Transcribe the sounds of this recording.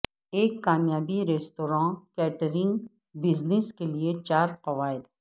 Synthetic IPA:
eːkːaːmjaːbiɾeːst̪oːɾãːkɛːʈəɾɪ̃ŋɡ | bɪznɪskeliet͡ʃaːɾqɐʋaːɪd̪

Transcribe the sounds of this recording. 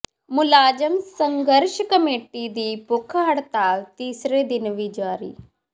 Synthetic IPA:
mʊlaːd͡ʒəmsəŋɡəɾʃkəmeːʈid̪iːpʊkʰɦəɽt̪aːt̪iːsɾeːd̪ɪnʋiːd͡ʒaːɾḭː

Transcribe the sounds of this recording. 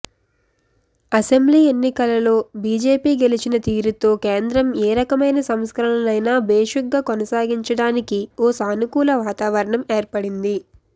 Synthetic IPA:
ɐse̞mbliːe̞nːikɐlɐlo̞ːbiːd͡ʒe̞ːpiːɡe̞lit͡ʃinɐt̪iːɾut̪o̞ːkeːnd̪ɾɐmeːɾɐkɐmɐjnɐsɐmskɐɾɐɳɐlɐjnaːbeːʂɐɡɡaːkonɐsaːɡiɲt͡ʃɐɽaːnikioːsaːnukuːlɐʋaːt̪aːʋɐɾɐɳɐmeːɾpɐɽind̪i

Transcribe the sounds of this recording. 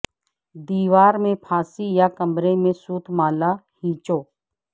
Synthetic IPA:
d̪iːʋaːɾmẽpʰaːsijakɐmɾemẽsuːt̪ʰmaːlahĩːt͡ʃoː

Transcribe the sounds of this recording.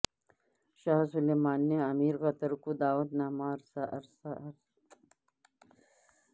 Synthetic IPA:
ʃaːɦsuleːmaːnːeɐmiːɾɣɐt̪ɐɾkud̪aːʋɐt̪naːmaːɾsaʔɐɾsaɐɾs

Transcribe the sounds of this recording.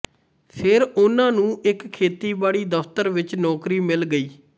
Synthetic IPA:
pʰɪɾʊnãːnũːʔɪkkʰːeːt̪iːbaːɽiːd̪əpʰt̪əɾʋɪt͡ʃnɔːkɾiːmɪlɡəiː

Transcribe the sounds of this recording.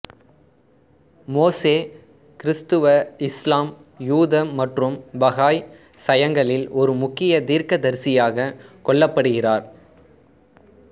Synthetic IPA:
moːseː | kɪɾɪst̪ɯʋɐɪslaːmjuːðɐːɐʈrɯmbɐɣaːj | sɐjɐŋɡɐɭɪlɔɾɯmʊkːɪjɐt̪iːɾkɐd̪ɐɾsɪjaːɣɐkɔɭːɐpːɐɽɯɣɪraːɾ

